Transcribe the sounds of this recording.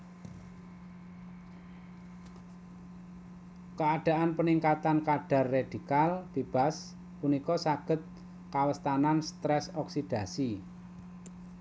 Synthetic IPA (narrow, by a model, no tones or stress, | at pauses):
kəaɖ̥a̤ʔanpəniŋkat̪ankaɖ̥a̤rːed̥i̤kalb̥i̤b̥a̤s | punikɔsaɡ̥ə̤t̪̚ | kawəst̪ananst̪ɾɛsɔksid̥a̤si